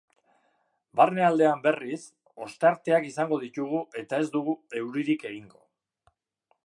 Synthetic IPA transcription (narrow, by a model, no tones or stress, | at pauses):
barneald̪e̞ambe̞ris | o̞st̪eaɾt̪e̞akisaŋɡo̞ðit̪uɣ̞ue̞t̪ae̞zd̪uɣue̞wɾiɾike̞ɣ̞iŋɡo̞̰